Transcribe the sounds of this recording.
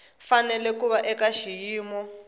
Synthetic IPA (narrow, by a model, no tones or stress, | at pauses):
fanɛlɛkuβaʔɛkaʃijiːmɔ